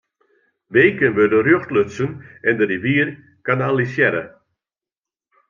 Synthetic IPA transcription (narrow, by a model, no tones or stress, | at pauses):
ʋeːkənʋødərjoxtløt͡sənɛndəriʋiːər | kanalisjɛɾə̰